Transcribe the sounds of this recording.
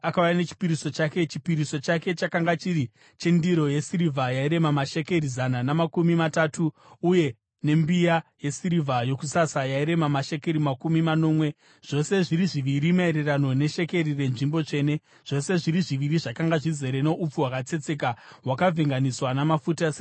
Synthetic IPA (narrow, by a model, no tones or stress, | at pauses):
akawanet͡ʃi̥piɾiso̞t͡ʃake̞t͡ʃi̥piɾiso̞t͡ʃake̞t͡ʃakaŋɡat͡ʃiɾi | t͡ʃendiɾo̞je̞siɾivʱajaiɾe̞mamaʃe̞ke̞ɾizananamakumimatatuː | je̞ | ne̞mbijaje̞siɾivʱajo̞kusasajaiɾe̞mamaʃe̞ke̞ɾimakumimano̞ːmwe̞ | ʐ̥o̞se̞ʐiɾiʐiʋiɾimae̞ɾerano̞ne̞ʃe̞ke̞rire̞nʐimbo̞t͡ʂe̞ːne̞ | ʐ̥o̞se̞ʐiɾiʐiʋiɾiʐakaŋɡaʐize̞ɾeno̞ʔup͡fuwakat͡se̞t͡se̞kaɦwakavʱeŋɡaniswanamafutase